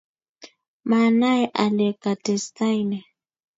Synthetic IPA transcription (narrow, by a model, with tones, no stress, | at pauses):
ma˨na˦ɛ˦ʔa˨lɛ˨ka˨tɛ˨sta˦i˦nɛ˨